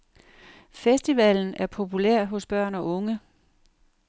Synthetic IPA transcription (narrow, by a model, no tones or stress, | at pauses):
fesd̥iʋɛln̩æɐpʰo̝pʰulæɐ̰ɦɔ̽sb̥ɶɐ̰nɒ̽ʔɔ̽ŋə